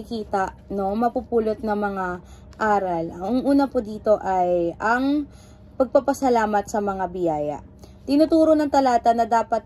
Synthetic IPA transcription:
ɪkiːt̪ɐʔno̞mɐpupuːlot̪̚nɐŋmɐŋa | ʔaːɾɐlɐʊŋʔuːnɐpod̪iːt̪o̞ʔɐjʔɐŋ | pɐɡ̚pɐpɐsɐlaːmɐt̪sɐmɐŋabɪjaːjɐ̰ʔ | t̪ɪnut̪uːɾo̞nɐŋt̪ɐlaːt̪ɐnɐd̪aːpɐt̪̚

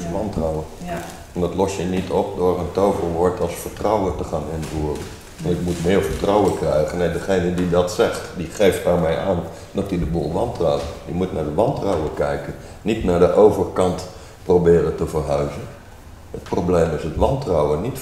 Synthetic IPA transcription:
ʋɑntrawə | ɛndɔtlɔsjənitʰɔp̚dʊːrəntowvərʋʊɹtʰɑlˠsfərtrɔwətəχaːnɪnvuərən | ʋɑntɪkmutmɪːɹfərtrɔwəkrɛjɣənejdəχejnədidɔtsɛxtdiχejfthaɹmɛjʔaːn | dɔtidəbuːlˠʋɑntrɔwdimutnaɹdəʋɑntrawəkɛjkən | nitnaːdəʔowvərkɑnt | probɪːrətəfərɦœɥzən | ət̚probleːmɪsətʋɑntrawənit

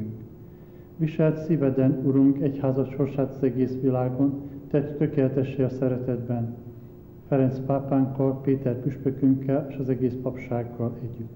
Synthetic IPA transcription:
ŋk | ʋiʃɛlt̪sivɛd̪ɛnuɾuŋkɛchaːzɒt̪ʃo̞rʃaːt̪ɒzɛɡeːsʋilaːɡo̞nt̪ɛt̪ːøkeːlɛt̪ɛʃːeːɒsɛɾɛt̪ɛd̪bɛn | fɛɾɛnspaːpaːŋkːɒlpeːt̪ɛrpyʃpøkyŋkːɛleːʃɒzɛɡeːspɒpʃaːɡːɒlɛɟːyt̪ː

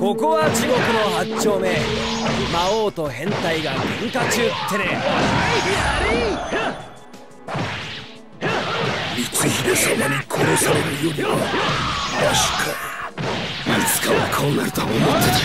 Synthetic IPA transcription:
ko̞ko̞βat͡ɕiɡo̞kɯ̟no̞hat͡ɕːo̞ːme̞ | maoːt̪o̞hẽ̞nt̪aiɡaɡẽŋkat͡ɕɨːt̪ʰːene | mʲit͡sɨçiɾosomoɲikʰoɾosoɾomijoɡ | it͡sɨ̥kaβakʰoːna̰ɾɯt̪oomot̪a

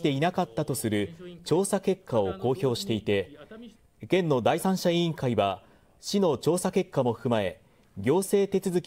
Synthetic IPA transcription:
t̪e̞inakat̪ːat̪o̞sɨɾɯ̟t͡ɕo̞ːsake̞kʰːao̞ko̞ːço̞ːɕi̥t̪e̞it̪e̞ | kẽ̞nːo̞d̪aisãɰ̃ɕaĩŋkaiβa | ɕino̞t͡ɕo̞ːsake̞kːamo̞ɸkɯ̟mae̞ | ɡʲo̞ːse̞ːt̪e̞t͡sɨzɨkʲ

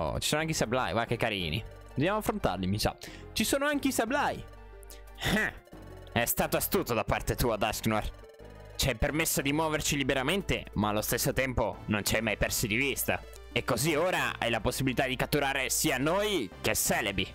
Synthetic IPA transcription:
t͡ʃisoːnoaŋk̬eisabla̰jvakːekːaɾḭːnḭ | d̪objaːmoafːɾont̪a̰rlimit͡ʃa̰ | t͡ʃisoːnoaŋkeisablaj | ɛ | ɛst̪aːt̪oast̪uːt̪od̪apːart̪et̪uːad̪asknar | t͡ʃiajpermesːod̪imwɔːvert͡ʃilibeɾament̪ḛmaːlːost̪esːot̪ɛmponont͡ʃiajmajpɛrsid̪ivist̪a̰ | ekːozioːɾa̰a̰jlaposːibilit̪ad̪ikat̪ːuɾaːɾesiːanojkesɛːlebɾi

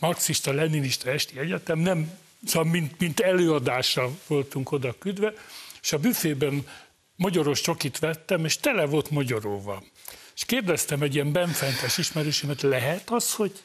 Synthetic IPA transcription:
nɒksiʃt̪ɒlɛniniʃt̪ɒɛʃt̪iɛɟɛt̪ɛmnɛm | smint̪mint̪ɛløːɒd̪aːʃɒvo̞lt̪uŋko̞d̪ɒkyd̪ʋɛeʃɒbyfeːbɛn | mɒɟɒɾo̞ʃt͡ʃo̞kit̪ʋɛt̪ːɛmeːʃt̪ɛlɛvo̞lt̪mɒɟɒɾoːvɒ̰ | eʃkeːrd̪ɛst̪ɛmɛɟːiɛmbɛɱfɛnt̪ɛʃiʃmɛɾøːʃɛmɛt̪lɛɦɛt̪ɒsho̞ɟ

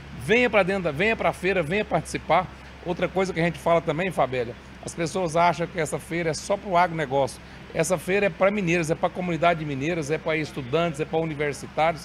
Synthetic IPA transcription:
vẽj̃ɐpɾɐd̪ẽnd̪ɐvẽj̃ɐpɾafejɾɐvẽj̃ɐpaɾt͡ʃɪ̥sipaɾ | owt̪ɾɐkojzɐkɪɐʒẽnt͡ʃɪ̥falɐt̪ɐ̃mbẽj̃fabɛlɐ | ɐspesoɐzaʃɐ̃w̃kɪɛsɐfejɾɐɛsɔpɾʊaɡɾʊnɛɡɔsjʊ̥ | ɛsɐfejɾɐɛpɾɐmĩnejɾɐzɛpɾɐkomunid̪ad͡ʒɪd͡ʒɪmĩnejɾɐzɛpɾɐɪst̪ud̪ɐ̃t̪ɪzɛpɾɐuniveɾsit̪aɾjʊs

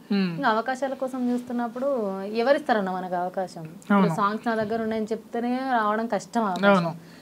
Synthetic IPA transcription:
iŋkɐɐʋɐkaːʃaːlɐkɔːsɐmt͡ʃuːst̪unːɐpːuɽuɛʋɐɾist̪ɐɾɐnːɐmɐnɐkiɐʋɐkaːʃɐmɐwusaːŋksnaːd̪ɐɡːɐɾuɳɖaːjɐnit͡ʃeput̪ɐneɾaːʋɐɽɐmkɐʂʈɐmaːɐwnu

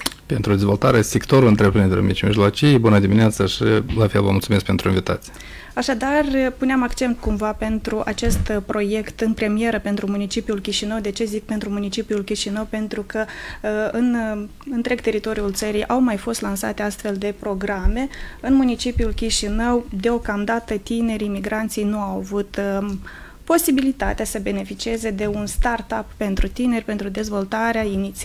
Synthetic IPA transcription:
pe̞nt̪ɾud̪ezvo̞lt̪aɾesekt̪oɾulɨnt̪ɾepɾind̪eo̰mit͡ʃmiʒlot͡ʃijbunəd̪imineat̪səʃilafelvə̰multsumesk̚pe̞nt̪ɾuinvit̪a̰t̪sʲ | aʃad̪arʲpuneamakt͡ʃe̞nt̪kumvape̞nt̪ɾuʔat͡ʃe̞st̪pɾo̞je̞kt̪ɨnpɾe̞mije̞ɾəpe̞nt̪ɾumunit͡ʃipiulkʲiʃinəwd̪e̞t͡ʃe̞zik̚pe̞nt̪ɾumunit͡ʃipiulkʲiʃinəwpe̞nt̪ɾukə | ɨn | ɨnt̪ɾe̞ɡ̚t̪e̞ɾit̪o̞ɾiult̪səɾijʔawmajfo̞st̪lansa̰t̪east̪fe̞ld̪e̞pɾo̞ɡɾame̞ɨnmunit͡ʃipiulkʲiʃinəwd̪eo̞kamd̪at̪ət̪ine̞ɾimiɡɾant̪sijnuawavut̪ | po̞sibilit̪a̰t̪easəbe̞ne̞fit͡ʃie̞ze̞d̪e̞unst̪art̪apːe̞nt̪ɾut̪ine̞rʲpe̞nt̪ɾud̪e̞zvo̞lt̪aɾeainit̪s

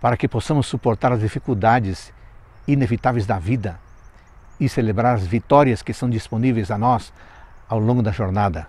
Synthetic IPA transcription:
paɾɐkɪposɐ̃mʊsːupoɾt̪aɾɐzd̪ifikuld̪ad͡ʒɪz | inevit̪avejzd̪ɐvid̪ɐ | ɪselebɾaɾɐzvit̪ɔɾiɐskɪsɐ̃w̃d͡ʒ̪isponivejzɐnɔsawlõŋɡʊd̪ɐʒoɾnad̪ɐ

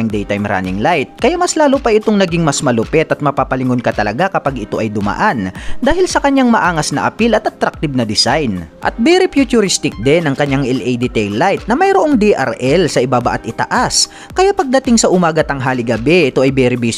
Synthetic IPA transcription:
aŋd̪ɛjt̪ajmɾa̰nɪ̰ŋlajt̪̚kɐjamɐslaːlopɐʔɪt̪oŋnɐɡiŋmɐsmɐlʊpɛt̪ʔɐt̪̚mɐpaːpɐlɪŋonkɐt̪ɐlɐɡakɐpaɡɪt̪o̞ʔɐjd̪ʊmɐ̰ʔand̪aːhɪlsɐkɐɲːaŋmɐʔaːŋɐsnɐ̰ʔɐ̰pilɐt̪ʔɐt̪ɾak̚t̪ɪb̚nɐd̪ɪsajnʔɐ̰t̪̚bɛɾɪpjut͡ʃ̪ʊɾɪst̪ɪk̚d̪ɛnɐŋkɐɲːaŋʔɛlʔɛjd̪ɪt̪ɛjlːajt̪̚nɐmɐjɾoʔo̞ŋd̪iʔɐ̰ɾʔɛlsɐʔɪbabaʔat̪̚ɪt̪ɐ̰ʔas | kɐjapɐɡ̚d̪ɐt̪ɪŋsɐʔʊmaːɡɐt̪ɐŋɦaːlɪɡɐbɛʔɪt̪o̞ʔɐjbɛɾɪbi

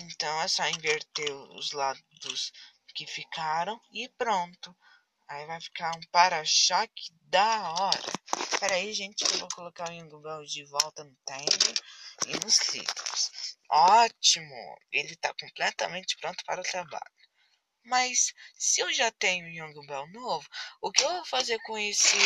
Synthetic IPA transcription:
ẽnt̪ɐ̃w̃ɛsɔĩveɾt̪eʊ̰zlad̪ʊs | kɪfikaɾɐ̃w̃ɪpɾõnt̪ʊ | aivajfi̥kaɾũpaɾɐʃɔkʰɪ̥d̪ɐɔɾɐ̰pɛɾaiaʒẽnt͡ʃɪ̥kɪvokolokaʊjũŋɡũbɛwd͡ʒɪvɔwt̪ɐnʊt̪ẽkʊɪnʊslḭt̪ɾʊsɔt͡ʃimʊ̰elɪt̪akõmplɛt̪ɐ̰mẽnt͡ʃɪ̥pɾõnt̪ʊ̥paɾɐʊt̪ɾaba̰ʎʊ | mɐsːɪewʒat̪ẽɲũjɐ̃ŋɡũbɛwnovʊʊkɪewvowfazeɾkõesɪ

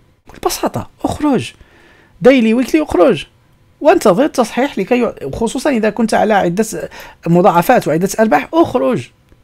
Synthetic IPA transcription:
kʊlːbɑsɑt̪ˤɑ̰ʔʊxɾʊʒ | d̪æjliwəkliʔʊxɾʊʒ | wənt̪ɑðˤəɾt̪ːɑsˤħiħlikæjʊxosˤusˤɑnʔəd̪ækʊnt̪ʕa̰læʕəd̪ːæmʊd̪ˤɑʕɑfæt̪wʕəd̪ːæt̪ʔɑɾˤbaħʔʊxɾʊʒ

